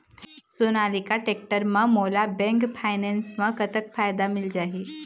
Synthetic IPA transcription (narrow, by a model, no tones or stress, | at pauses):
sonaːlikaʈek̚ʈəɾmə̃molabɛ̃ŋkpʰajnɛnsmə̃kət̪əkfajd̪amɪld͡ʒaːɦe